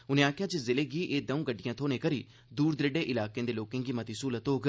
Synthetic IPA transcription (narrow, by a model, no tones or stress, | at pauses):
ʊnẽːaːkʰjãːd͡ʒezɪleːɡiːʔeːd̪ə̃ũɡəɖːijãːt̪ʰoːnẽːkəɾiː | d̪uːɾd̪ɾeɖeːʔɪlaːkẽːd̪eːloːkɪ̃ːŋɡiːmət̪iːsuːlət̪oːɡ